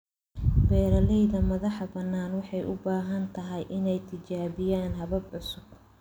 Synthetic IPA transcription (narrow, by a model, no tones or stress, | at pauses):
bɛːɾɐlɛjðɐmɐðɑħbɐnːaːnwɑħɑjʔʊbaːɦɐnt̪ʰɐɦɛjʔɪnɛjt̪ʰɪt͡ʃaːβɪjaːnɦɐβɐbʕʊsʊɡ̥̚